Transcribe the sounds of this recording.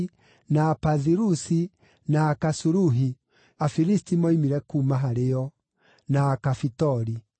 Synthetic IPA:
napaðiɾusi | naːkasuɾuɦi | afiɾistimɔimiɾɛkumaɦaɾeɔ | naːkafitɔɾi

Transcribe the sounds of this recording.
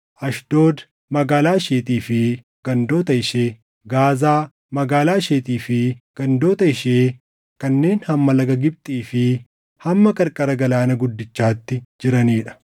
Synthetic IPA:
ʔɐʃd̪̥o̞ːd̪ | mɐɡaːlaːʃeːt̪iːfɪ | ɡ̥ɐnd̪o̞ːt̪ɐɪʃeː | ɡaːzaː | mɐɡaːlaːʃeːt̪iːfɪɡ̥ɐnd̪o̞ːt̪ɐɪʃeː | kɐnːe̞ːnhɐmːɐlɐɡɐɡɪb̚t̪ʼiːfɪ | hɐmːɐkɐɾkʼɐɾɐɡɐlaːnɐɡʊd̪ːɪt͡ʃːaːt̪ːɪd͡ʒɪɾɐniːᶑɐ̥

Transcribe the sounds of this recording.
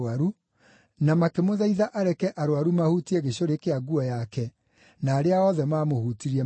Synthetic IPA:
aɾu | namakemoðaiðaʔaɾɛkɛʔaɾoaɾumahutiɛɣeɕoɾekeaɡuɔjakɛ | naːɾeaɔðɛmaːmohutiɾiɛ

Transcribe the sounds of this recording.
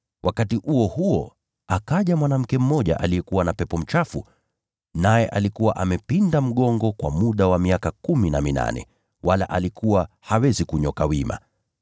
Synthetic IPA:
wʔakatiʔuɔhuɔ | akaʄamwanam̩kɛm̩mɔʄa̰ʔalijɛkuwanapɛpɔm̩t͡ʃafṵ | najɛʔalikuwaʔamɛpindam̩ɠɔŋɡɔkwa̰muɗawamiakakuminamina̰nɛ̰ | wʔala̰ʔalikuwa | hawɛzikuɲɔkawima̰

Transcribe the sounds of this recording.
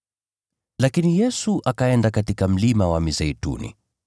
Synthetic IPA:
lakinijɛsuʔakaɛndakatikam̩limawamizɛitṵnḭ

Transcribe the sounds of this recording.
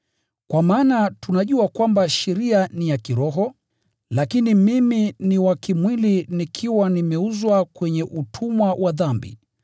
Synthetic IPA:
kwamaːnatunaʄuakwambaʃɛɾianijakiɾɔɦɔ | lakinimiminiwakimwilinikʰiwanimɛuzwakwɛɲɛʔutʰumwawʔaðambḭ

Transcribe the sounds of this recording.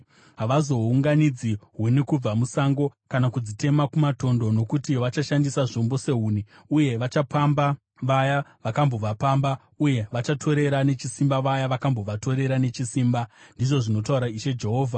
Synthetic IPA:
ɦaʋazo̞uŋɡanid͡ziɦwenekub͡vamusaŋɡo̞kanakud͡zite̞makumato̞ndo̞no̞kutiʋat͡ʃaʃandisaʐombo̞se̞ɦuːni | uje̞ʋat͡ʃapamba | ʋajaʋakambo̞ʋapamba | uje̞ʋat͡ʃatʰo̞ɾe̞ɾane̞t͡ʃisimbaʋajaʋakambo̞ʋato̞ɾe̞ɾane̞t͡ʃisiːmbandiʐo̞ʐino̞tauɾaiʃe̞d͡ʒe̞ɦo̞ːvʱa

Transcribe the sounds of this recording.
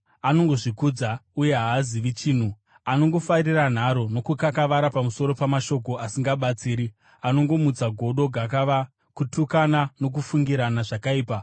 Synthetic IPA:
ano̞ŋɡo̞ʐikuːd͡zauje̞ɦaːziʋit͡ʃiːn̤u | ano̞ŋɡo̞fariran̤aɾo̞no̞kukakaʋaɾapamuso̞ɾo̞pamaʃo̞k̬o̞ʔasiŋɡaɓat͡siːɾi | ano̞ŋɡo̞mut͡saɡʱo̞ɗo̞ɡʱak̬aʋa | kutukanano̞k̬ufuŋɡiɾanaʐakaiːpa

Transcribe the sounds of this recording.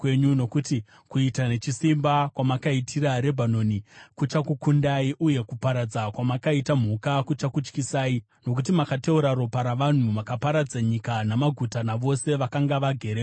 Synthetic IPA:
kwe̞ɲuno̞kuti | kuitane̞t͡ʃisimbakwamakaitʰiɾaɾe̞bʱano̞nikut͡ʃakukundaiʔuje̞kupaɾad͡zakwamakaitam̤ukakut͡ʃakut͡ʃkisaːi | no̞k̬ut̬imakate̞uɾaɾo̞paɾaʋan̤umakapaɾad͡zaɲikanamaɡʱutanaʋo̞se̞ʋakaŋɡaʋaɡʱe̞ɾe

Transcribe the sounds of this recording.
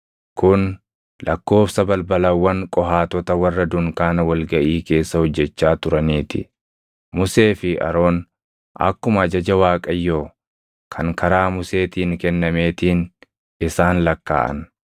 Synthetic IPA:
kʊn | lɐkːo̞ːfsɐbɐlbɐlɐwːɐŋkʼɔɦaːt̪ɔt̪ɐwɐrːɐd̪ʊŋkaːnɐwɐlɡɐʔiːke̞ːsːɐhɔd͡ʒːɛt͡ʃːaːt̪ʊɾɐniːt̪ɪ | mʊse̞ːfɪʔɐ̰ɾo̞ːn | ʔɐ̰kːʊmɐɐd͡ʒɐd͡ʒɐwaːkʼɐjːoː | kʰɐŋkɐɾaːmʊse̞ːt̪iːŋkɛnːɐme̞ːt̪iːn | ɪsaːnlɐkːa̰ːʔɐ̰n

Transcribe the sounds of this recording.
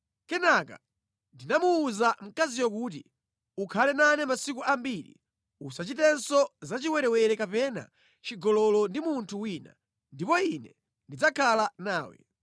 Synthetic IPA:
kɛnaka̰ | ndinamuːzam̩kazijɔkuːt̬ḭ | ukʰalɛnanɛmasik̬uʔambiɾḭ | usat͡ʃitɛnsɔzat͡ʃiwɛɾɛwɛɾɛkapɛna̰ | t͡ʃiɡɔlɔlɔndimuntʰuwiːna̰ | ndipɔinɛ | ndid͡zakʰalanaːwɛ̰

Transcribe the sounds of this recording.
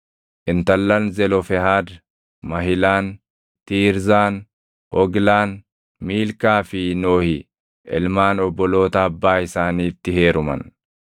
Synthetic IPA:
ʔɪnt̪ɐlːɐnzɛlɔfɛhaːd̪ | mɐɦɪlaːn | t̪iːɾzaːn | hɔɡlaːn | miːlkaːfɪnoːhɪ | ʔɪ̰lmaːnɔbːɔlo̞ːt̪ɐːbːaːɪsaːniːt̪ːɪhe̞ːɾʊmɐ̰n

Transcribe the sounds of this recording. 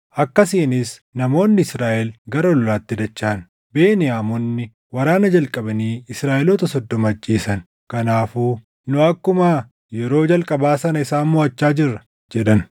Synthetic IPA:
ʔɐkːɐsiːnɪsnɐmo̞ːnːɪɪsɾaːʔɛlɡɐɾɐlɔlaːt̪ːɪd̪ɐt͡ʃːaːn | beːnɪjaːmɔnːɪ | wɐɾaːnɐd͡ʒɐlkʼɐbɐniːɪsɾaːʔɛlɔt̪ɐsɔd̪ːɔmːt͡ʃʼːiːsɐn | kɐnaːfuː | nʊɐkːʊmaː | jɛɾo̞ːd͡ʒɐlkʼɐbaːsɐnɐɪsaːnmɔɐt͡ʃːaːd͡ʒɪrːɐ | d͡ʒɛᶑɐn

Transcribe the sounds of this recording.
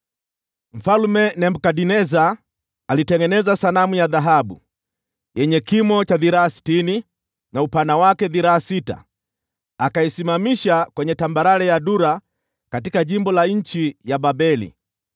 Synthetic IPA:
m̩falmɛnɛm̩kadinɛza | alitɛŋɡɛnɛzasanamujaðaɦabṵ | jɛɲɛkimɔt͡ʃaðiɾaasi̥tini | naupanawakɛðiɾaasita̰ | akaisimamiʃakwɛɲɛtambaɾalɛjaduɾa | katikaʄimbɔlaɲ̩t͡ʃijababɛlḭ

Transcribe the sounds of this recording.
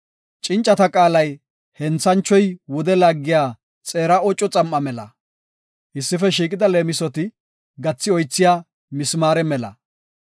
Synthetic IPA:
t͡ʃʼɪnt͡ʃʼːɐt̪ɐkʼaːlɐj | hɛnt͡sːɐnt͡ʃːɔjwʊɔd̪ɛlaɡːɪjaː | t͡sʼeːɾɐɔt͡ʃʼːɔt͡sʼɐmːɐmɛlɐ̰ | ʔɪsːɪfɛʃiːkʼɪd̪ɐle̞ːmɪsɔt̪ɪ | ɡɐt͡sːɪɔjt͡sːɪjaː | mɪsmaːɾɛmɛlɐ̰

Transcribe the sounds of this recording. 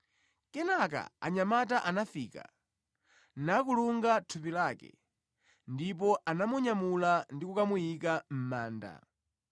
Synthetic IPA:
kɛnaka̰a̰ɲamat̬aʔanafiːka̰ | nak̬uluŋɡatʰupilakɛ̰ | ndip̬ɔʔanamuɲamulandikukamujikam̩maːnda̰

